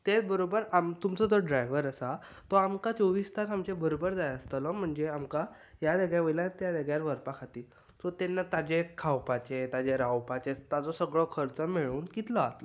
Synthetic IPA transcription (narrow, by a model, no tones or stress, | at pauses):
t̪et͡sbəɾobəɾamt̪umt͡sɔd͡z̪ɔɖɾajʋəɾəsa | t̪ɔamkat͡sɔʋist̪ʰat̪amt͡ɕebəɾobəɾd͡zajəst̪əlɔm̤əɳd͡zeamka | jaləɡɭjaʋəjlat̪jaləɡjaɾʋəɾpakʰat̪iː | sɔt̪enːat̪ad͡ʑekʰawpat͡ɕet̪ad͡ʑeɾawpat͡ɕet̪at͡sɔsəɡɭɔkʰəɾt͡səmeɭuːnkit̪ləat̪lɔ